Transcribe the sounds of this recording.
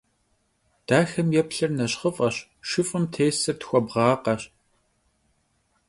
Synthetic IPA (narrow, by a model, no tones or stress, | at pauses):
d̥aːxɐmjɛpɬɐrnɐɕχəfʼɐɕ | ʃɨfʼɨmtʰeːsɐrtxʷɔbʁɑːqɐɕ